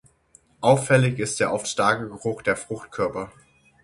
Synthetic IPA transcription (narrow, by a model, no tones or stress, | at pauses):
ʔaʊfɛlɪçɪstd̥eːɐʔɔftʃtaɐkəɡəʁʊχd̥eːɐfʁ̥ʊxtkʰœɐpɐ